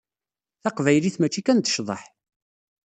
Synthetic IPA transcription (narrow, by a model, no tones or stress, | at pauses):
θɑqvæjliθmæt͡ʃːikænt̪ə̥ʃðˤɑħ